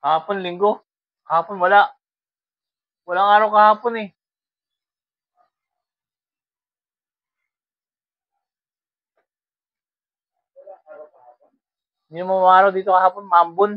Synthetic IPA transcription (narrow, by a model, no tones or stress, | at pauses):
kaɦapʊnliŋɡʊ | kaɦapʊnbolaʔ | bulaŋaɾʊkaɦapʊnɪ | ɲamomaɾʊdit̪ukaɦapʊnmambʊn